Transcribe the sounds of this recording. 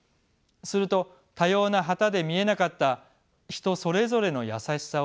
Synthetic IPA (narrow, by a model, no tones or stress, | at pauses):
sɨɾɯ̟t̪o̞ | t̪ajo̞ːnaɦat̪ad̪e̞mʲie̞nakat̪ːa | çi̥t̪o̞so̞ɾe̞zo̞ɾe̞no̞ja̰saɕi̥sa